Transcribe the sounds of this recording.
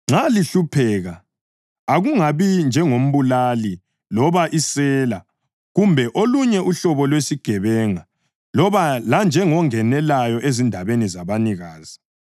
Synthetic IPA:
ŋ͡ǁaliɬupʰɛːɣa | aɣuŋaβind͡ʒʱɛŋom̩βulali | lɔβaʔisɛːla | ɣumbʱɛʔoluɲɛʔuɬɔβɔlwesiɡ̥ʱɛβɛŋa | lɔβaland͡ʒʱɛŋɔŋɛnɛlajɔʔezindʱaβenizaβaniɣaːz̥i

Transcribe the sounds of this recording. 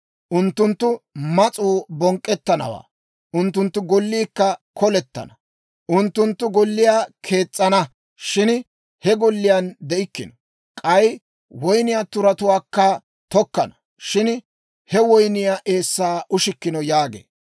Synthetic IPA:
ʔʊnt̪ːʊnt̪ːʊmɐt͡sʼuːbɔŋkʼːɛt̪ːɐnɐ̰wa̰ː | ʔʊnt̪ːʊnt̪ːʊɡɔlːiːkːɐkʰɔlɛt̪ːɐ̰nɐ | ʔʊnt̪ːʊnt̪ːʊɡɔlːɪjaːkʰe̞ːt͡sʼːɐnɐ | ʃɪn | hɛɡɔlːɪjand̪ɛɪkːɪnɔ | kʼɐj | wɔjnɪjaːt̪ʊɾɐt̪ʊwaːkːɐ | t̪ɔkːɐnɐ | ʃɪn | hɛwɔjnɪjaːʔe̞ːsːaːʔʊʃɪkːɪnɔjaːɡḛː

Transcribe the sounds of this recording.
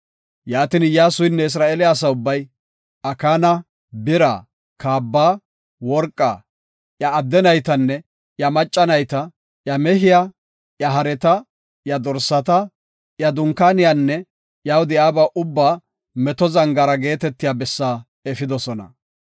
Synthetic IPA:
jaːt̪ɪnjaːsʊjnːɛɪs̬ɾaːʔeːlɪaːsɐʊbːɐj | ɐkaːnɐ | bɪɾa̰ː | kaːbːaː | wɔɾkʼːa̰ː | jɐːd̪ːɛnɐjt̪ɐnːɛ | jɐmɐt͡ʃʼːɐnɐjt̪ɐ | jɐmɛɦɪja | ʔjɐɦɐɾɛt̪ɐ | jɐd̪ɔɾsːɐt̪ɐ | jɐd̪ʊŋkaːnɪjanːɛ | jawd̪ɪjaːbaːʔʊbːaː | mɛt̪ɔzɐŋɡɐɾɐɡe̞ːt̪ɛt̪ːɪjaːbɛsːaː | ɛfɪd̪ɔsɔnɐ̰

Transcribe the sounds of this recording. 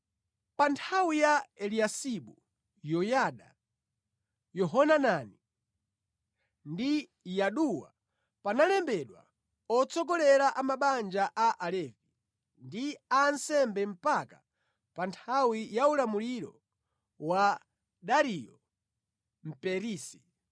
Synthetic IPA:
pantʰawijaɛliasiɓu | jɔjaɗa | jɔɦɔnanani | ndi | jaɗuwa̰ | panalɛmbɛɗwa̰ | ɔt͡sɔkɔlɛɾaʔamaɓand͡ʒaʔaʔalɛvi | ndiansɛmbɛm̩paka | pantʰawijaulamuliɾɔ̰ | wa | ɗaɾijɔ | m̩pɛɾiːsi̥

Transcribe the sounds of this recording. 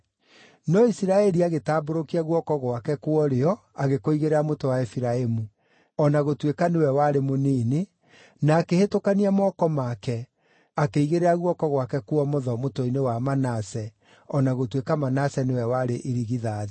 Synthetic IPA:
nɔisiɾaɛɾiaɣetaːboɾokiaɣwɔkɔɣwakɛkwɔɾeɔ | aɣekoiɣeɾeɾamotowaefiɾaemu | ɔnaɣotwekanewɛwaɾemoniːne | naːkehetokaniamɔːkɔmakɛ | akeiɣeɾeɾaɣwɔkɔɣwakɛkwɔmoðɔmotoinewamanasɛ | ɔnaɣotwekamanasɛnewɛwaɾeʔeɾiɣiðaːðe

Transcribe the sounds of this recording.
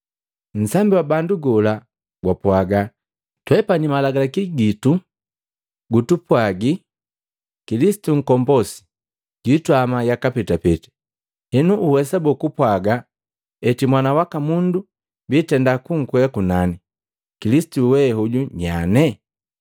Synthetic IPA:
n̩sambiwabanduɡɔla | ɡwapwaɡa | twɛpanimalaɡalakiɡitu | ɡutupwaɡi | kilisi̥tuŋ̩kɔmbɔsi̥ | ɟ̥itwamajakapɛtapɛti̥ | hɛnuʔːhɛsabɔkupwaɡa | ɛtimwanawakamundu | mbitɛndakuŋ̩kwɛakunani | kilisi̥tuwɛhuɟuɲa̰nɛ

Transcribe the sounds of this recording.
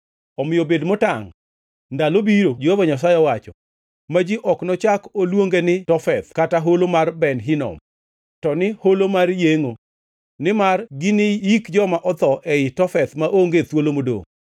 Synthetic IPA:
ɔmɪjobedmota̰ŋ | ndalobiɾod͡ʒiobɔɲas̬ajɔwat͡ʃɔ | mad͡ʒiʔɔknɔt͡ʃakolwoŋɡenɪtɔfɛt̪kataɦolomarbɛnɦɪnɔ̰m | tɔnɪholomarjeŋo | nɪmarɡɪnɪjikd͡ʒɔmaʔɔt̪ɔʔɛɪtɔfɛt̪maʔoŋɡet̪wolomodo̰ŋ

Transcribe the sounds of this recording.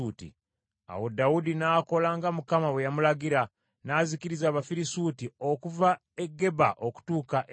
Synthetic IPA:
utḭ | a̰wo̞dawudinako̞laŋɡamukamawejamulaɡiɾa | naːzikiɾizaːβafiɾisuːtio̞kuva | eɡːe̞baʔo̞ku̥tuːkaʔ

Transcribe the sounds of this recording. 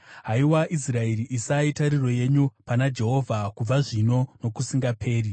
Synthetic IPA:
ɦaiwaʔisrae̞riʔisaitaɾiro̞je̞ɲupanad͡ʒe̞ɦo̞vʱakub͡vaʐino̞no̞kusiŋɡapʰe̞ːri

